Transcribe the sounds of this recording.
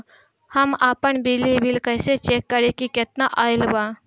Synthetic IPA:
həmaːpənbilibilkəɪset͡ʃekːəɾekiket̪naʔaːɪlba

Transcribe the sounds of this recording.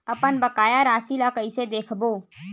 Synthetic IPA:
ɐpənbəkaːjaɾaːsilakəised̪eːkʰboː

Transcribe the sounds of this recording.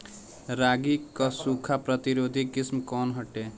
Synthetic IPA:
ɾaɡikʌsukʰapɾʌt̪iɾod̪ʱikismkɔnɦʌʈːe

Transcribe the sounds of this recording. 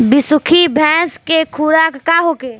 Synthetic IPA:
bɪsʊkʰibʱɛ̃ːskekʰuːɾaːkːaɦoːkeː

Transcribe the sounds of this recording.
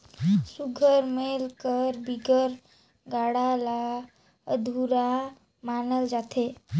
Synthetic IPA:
suɡʱəɾmelkəɾbiɡəɾ | ɡaːɽala | əd̪ʱuɾa | maːnəld͡ʒaːt̪ʰe

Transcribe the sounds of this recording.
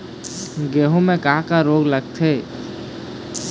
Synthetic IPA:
ɡeːɦõmẽkaakaɾoːɡləɡ̚t̪ʰeː

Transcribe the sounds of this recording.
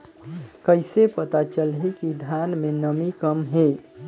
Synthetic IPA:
kəɪsepət̪at͡ʃəlɦikid̪ʱanmenəmikəmɦe

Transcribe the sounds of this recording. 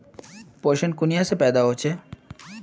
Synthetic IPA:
poɾʃonkunijasepɛd̪aɦot͡ɕʰe

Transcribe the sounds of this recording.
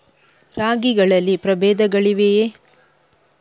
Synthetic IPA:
ɾaːɡiɡɐɭɐlːipɾɐbeːd̪ɐɡɐɭiʋeje

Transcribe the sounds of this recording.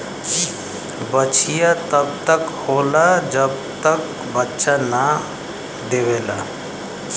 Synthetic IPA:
i | bət͡ʃʰijat̪əbt̪əkholad͡ʒəbt̪ək | bətːʃana | d̪ewela̰

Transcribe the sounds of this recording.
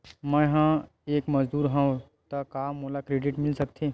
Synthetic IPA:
mə̃ɦã | eːkmɐd͡ʒd̪uːɾɦãõ | t̪ɐkaːmːolakɾeːɖɪʈmɪlsɐkt̪ʰi

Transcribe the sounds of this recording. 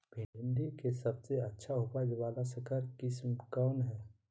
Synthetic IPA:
bʱɪ̃nd̪ikesɐbseətːʃʰaɦʊpad͡ʒəbaːlasəkəɾkɪsmkaːnɦɛː

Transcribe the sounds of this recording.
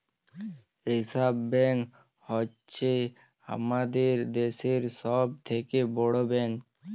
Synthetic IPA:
ɾisabːɛŋk | hɔ | t͡ʃʰe | a̰mad̪eɾd̪eseɾsɔb̚t̪ʰekebɔɽobɛ̃ŋk

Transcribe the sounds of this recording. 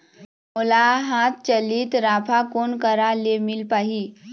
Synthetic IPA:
mulaɦat̪̚t͡ɕəliːt̪ɾapʰakonkəɾalemilpaɦi

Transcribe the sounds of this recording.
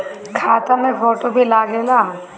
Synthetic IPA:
kʰaːt̪amẽfɔːʈobʱilaːɡʱeːlaː

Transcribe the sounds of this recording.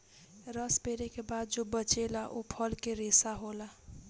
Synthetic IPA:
ɾəspeɾekebad̪̚d͡ʒobət͡ʃelaʔopʰəlkeɾesaɦola

